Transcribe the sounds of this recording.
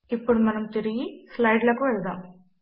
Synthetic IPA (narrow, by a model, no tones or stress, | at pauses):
ipːuɽumɐnɐmt̪eɾiɡislɐjɖlɐkuʋɛɭd̪aːm